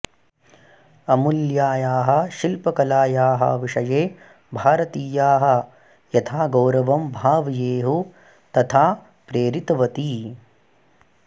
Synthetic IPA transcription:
ɐmuljaːjaːɦɐʃilpɐkɐlaːjaːɦɐ̰ʋiʂɐjeː | bʱaːɾɐt̪iːjaːɦɐ̆ | jɐt̪ʰaːɡɐwɾɐʋɐmbʱaːʋjeːɦu | t̪ɐt̪ʰaː | pɾeːɾit̪ɐʋɐt̪iː

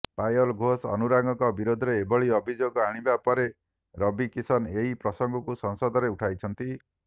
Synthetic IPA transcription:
pajɔlɡʱosɔ̰nuɾaŋɡɔkɔbiɾod̪ʱɔɾeːbɔɭiɔbʱid͡ʒoɡɔaɽ̃ibapɔɾe | ɾɔbikisɔneɦipɾɔsɔŋɡɔkusɔŋsɔd̪ɔɾeuʈʰajt͡ʃʰɔnt̪i

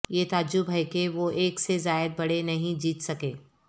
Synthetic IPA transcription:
jet̪aːd͡ʒʊbʱɐjkeʋoʔeːksezaːɪəd̪̚bɐɽ̤enɐɦĩd͡ʒiːt̪sɐkeː

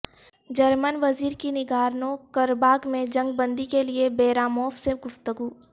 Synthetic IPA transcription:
d͡ʒɐɾmənʋɐziːɾkinɪɡaːɾnõkɐɾbaːɡmẽd͡ʒɐ̃ŋɡ̚bə̃nd̪ikeliebeːɾaːmɔːfseɡʊft̪əɡuː

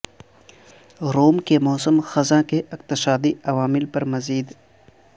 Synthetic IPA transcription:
ɾoːmkemɔːsəmxɐzãkeʔɪqt̪ɪsaːd̪iɐʋaːmɪlpɐɾmɐziːd̪

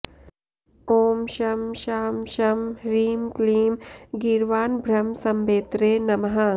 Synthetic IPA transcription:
oːmʃɐmʃaːmʃɐmɾiːmkliːmɡiɾʋaːnbʱɾɐmsɐmbeːt̪ɾeːnɐmɦa

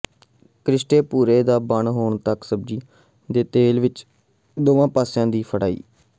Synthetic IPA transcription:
kɾɪʃʈeːpuːɾeːd̪aːbəɳɦoːɳt̪əksəb̚d͡ʒiː | d̪eːt̪eːlʋɪt͡ʃ | d̪oːʋãːpaːsjãːd̪iːpʰəɽa̰ːḭː

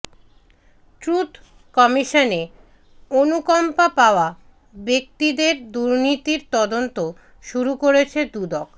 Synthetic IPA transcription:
ʈɾut̪ | kɔmiʃone | onukɔmpapaoa | bek̚t̪id̪eɾd̪uɾnit̪iɾt̪ɔd̪ont̪o | ʃuɾukoɾet͡ɕʰed̪ud̪ɔk

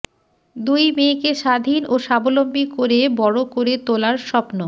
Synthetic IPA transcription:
d̪ujmekeʃad̪ʱinoʃabolombikoɾebɔɽokoɾet̪olaɾʃɔpno

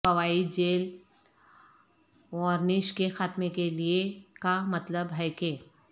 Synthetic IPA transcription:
pɐwaːid͡ʒeːl | ɔːɾnɪʃkexaːt̪mekeliekamɐt̪ləbɦɛkeː

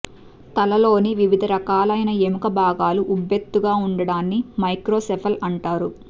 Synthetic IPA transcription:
t̪ɐlɐlo̞ːniʋiʋid̪ʱɐɾɐkaːlɐjnɐemukɐbʱaːɡaːluʔubʱjet̪ːuɡaːuɳɖɐɽaːnːimɐjkɾo̞ːsɛpʰɐlɐɳʈaːɾu

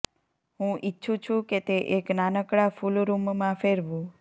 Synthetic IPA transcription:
ɦũʔitːʃʰũt͡ʃʰũket̪eʔeknanəkɽafulɾummãfeɾʋũ

